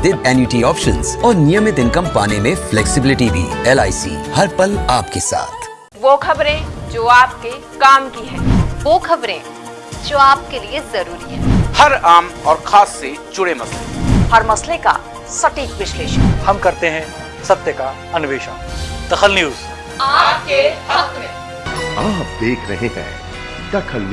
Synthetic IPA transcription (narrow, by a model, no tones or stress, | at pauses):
d̪ɪd̪ɛːnjuʈiɔːpʃə̃nzɔːɾnɪjəmɪt̪ɪ̃nkəmpaːnemẽflɛːksɪbɪlɪʈibʱḭːɛlaːisḭːhɐɾpɐlaːpkesa̰ːt̪ʰ | ʋoːkʰɐbɾẽd͡ʒoːaːp̚ke | kaːmkiɦɛ̃ːʋoːkʰɐbɾẽ | d͡ʒoːaːp̚keliezɐɾuːɾiɦɛ̃ːhɐɾaːmɔːɾxʰaːsːed͡ʒʊɽemɐslḛhɐɾmɐsleka̰ | sɐʈiːkʋɪʃleːʃənhɐmkɐɾt̪eɦɛ̃ | sɐb̚t̪əka | ɐnʊʋeːʃənd̪̥ɐxəlnjuːz | aːpkehɐkɾẽ | aːp̚d̪eːkʰɾɐɦẽɦɛ̰̃ː | d̪ɐkʰəl